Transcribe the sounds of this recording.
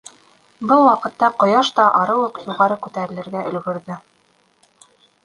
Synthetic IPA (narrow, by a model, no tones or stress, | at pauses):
bɤlˠwɑqɤ̆t̪ːɑqŏjɑʃt̪ɑʔɑɾɤwɤqjuʁɑɾɤkʉt̪æɾɘ̆lɘ̆ɾɡæʔɵ̆lɡɵ̆ɾðɵ